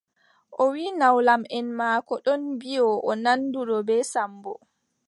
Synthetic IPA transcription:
ʔɔwiːnawlamɛnmaːkɔɗɔnbijɔʔɔnanduɗɔbɛsambɔ

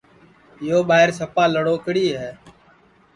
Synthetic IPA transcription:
ɪjoːɓaːɦɪɾsəpaːləɽoːkɽiːɦɛː

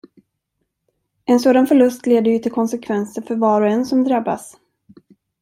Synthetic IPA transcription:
ɛnsoːd̪anfœɭɵst̪leːd̪əɾjɵt̪ʰɪlkʰɔnsɛkʰvɛnsəɾfœɾvɑːɾɔɛnsɔmd̪ɾabːa̰s

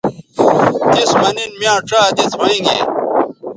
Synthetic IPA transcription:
kismɐninmjãːʈ͡ʂaːd̪it͡sʰwɐĩŋɡḛ

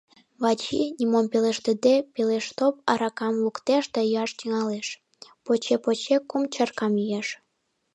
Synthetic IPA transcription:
βɑt͡ɕinʲimompeleʃt̪əd̪epeleʃt̪op̚ɑɾɑkɑmlukt̪eʃd̪ɑjɑʃt̪iŋɑleʃ | pot͡ɕepot͡ɕekumt͡ɕɑrkɑmjyjeʃ

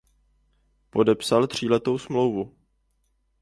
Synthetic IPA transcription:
po̞dɛpsalt̪r̝̥iːlɛt̪o̞wsmlo̞wvu

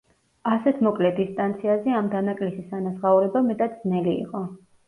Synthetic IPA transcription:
asɛt̪ʰmɔkʼlɛd̪ist̪ʼant̪sʰiazɛamd̪anakʼlisisanasʁauɾɛbamɛt̪ʼat̪̚d̪znɛliḭqʼɔ

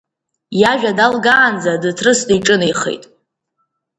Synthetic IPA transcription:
jaʒᶣadalɡaːnd͡zadɨtʰrɨstʼiʈ͡ʂʼɨnijχḛjtʼ

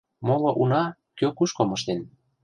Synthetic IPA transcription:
moloʔunɑ | køkuʃkomɤ̆ʃt̪en

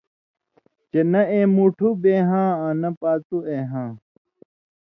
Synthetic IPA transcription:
t͡ɕenɐẽːmuʈʰubeːɦãːãnɐpaːt̪ueːɦãː

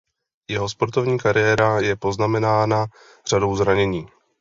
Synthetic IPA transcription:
jɛɦo̞spo̞ɾt̪o̞vɲiːkaɾɪjɛːɾajɛpo̞znamɛnaːna | r̝̥ado̞wzɾaɲɛɲiː

